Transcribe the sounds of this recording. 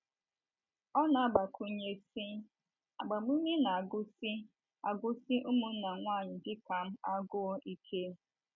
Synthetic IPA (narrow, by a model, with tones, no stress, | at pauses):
ɔ˦na˨a˦ba˨kʰu˦ɲe˦si˦ | a˨ɡ͡ba˨mu˦me˦na˨a˨ɡʊ˦si˦ | a̰˨ɡʊ˦si˦ʔʊ˦mu˦n̩˦na˨ŋʷaː˦˨ɲɪ˨dɪ˦ka˨m̩˦a˦ɡʊ˦o˦ʔi˦kʰe˦